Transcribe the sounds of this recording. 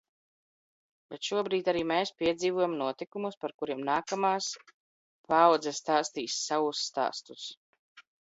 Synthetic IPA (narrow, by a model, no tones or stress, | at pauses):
bɛt̪ʃuɔbɾiːt̪ʲaɾiːmɛːspʲiɛd̪ziːvɔjamnuɔt̪ikumuspaɾkuɾiɛmnaːkamaːs | pawd̪zɛst̪aːst̪iːsːavusːt̪a̰ːst̪us